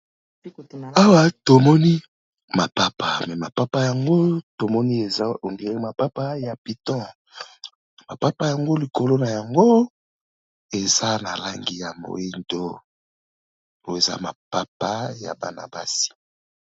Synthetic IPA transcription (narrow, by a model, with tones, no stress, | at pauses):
a˦wa˦to˨mɔ˦ni˦ | ma˨pa˦pa˨mɛ˨ma˨pa˦pa˦ja˨ŋɡo˦to˨mɔ˦ni˦e˨za˦o˨ŋɡe˨ʁi˦ma˨pa˦pa˦ja˨pi˨tɔ̃˦ | ma˨pa˦pa˦ja˨ŋɡo˦li˨ko˨lo˦na˨ja˨ŋɡo˦ | e˨za˦na˨la˦ŋɡi˦ja˨mo̰˨i˦ndo˦ | to˨e˨za̰˦ma̰˨pa˦pa˦ja̰˨ba̰˨na̰˨ba̰˦si̥˨